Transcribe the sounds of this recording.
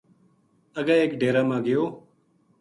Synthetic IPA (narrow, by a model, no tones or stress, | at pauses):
əɡaːeːkɖeːɾãːmãːɡɪjoː